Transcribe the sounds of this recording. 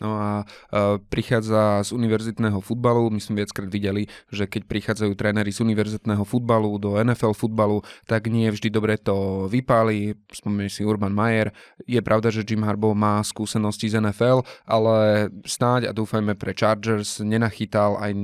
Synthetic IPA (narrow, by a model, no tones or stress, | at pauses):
nɔa | pɾixaːd͡zazuniʋɛɾzit̪nɛːɦɔfud̪̚balumizmɛʋɪat͡skɾaːd̪ʋiɟɛliʒɛkɛc̚pɾixaːd͡zajuːt̪ɾɛːnɛɾizuniʋɛɾzit̪nɛːɦɔfud̪̚balud̪ɔɛnɛfɛlfud̪̚balut̪aɡɲɪɛvʒd̪id̪ɔbɾɛt̪ɔʋipalispɔmɛɲɛsiuɾbanmajɛɾjɛpɾʔaʊd̪aʒɛd͡ʒimɦaɾbɔmaːskuːsɛnɔscizɛnɛfɛlʔalɛsnaɟa̰d̪uːfajmɛpɾɛt͡ʃaːɾd͡ʒɛɾzɲɛnaxit̪ala̰j